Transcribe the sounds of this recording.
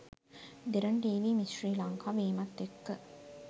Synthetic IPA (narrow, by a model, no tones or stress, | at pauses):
d̪eɾɐɳʈiːʋiːmisriːlɐŋkaːʋiːmɐt̪ːekːə